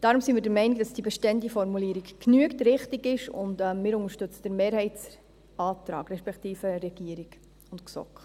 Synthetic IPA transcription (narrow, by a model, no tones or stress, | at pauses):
d̥ɑɾʊmsimiːɾdəɾmɛɪnikd̥ɑsd̥iəbɛʃtɛndifɔɾmuliːəɾikkːnyəktɾɪχtiɡɪʃʊ̰ndɛmɪːɾʊŋəɾʃtɵt͡səd̥əɾmeːɾhɛɪtt͡s | ɑːt̪ɾɑ̰ːɡɾɛʃpɛkt̪iːfəɾɛɡ̥iəɾiɡ | ʊntksɔ̰kχ